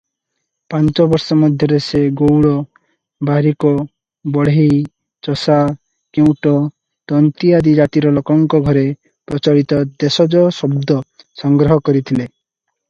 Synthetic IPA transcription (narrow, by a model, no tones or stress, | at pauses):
pant͡ʃɔbɔɾsɔmɔd̪ʱjɔɾeseɡowɭɔ | baɾikɔ | bɔɽ̤i | t͡ʃɔsa | kew̃ʈɔ | t̪ɔnt̪iad̪id͡ʒat̪iɾɔlɔkɔŋkɔɡʱɔɾe | pɾɔt͡ʃaɽit̪ɔd̪esɔd͡ʒɔsɔbd̪ʱɔ | sɔŋɡɾɔɦɔkɔɾit̪ʰile